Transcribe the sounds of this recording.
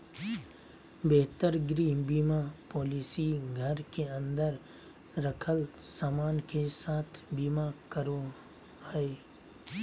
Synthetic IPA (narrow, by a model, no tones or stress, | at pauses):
beɦt̪əɾɡɾibiːmapɔːlisiɡʱəɾkeə̃nd̪əɾ | ɾəkʰəlsaːmaːnkesaːt̪ʰbiːmakəɾo | ɛ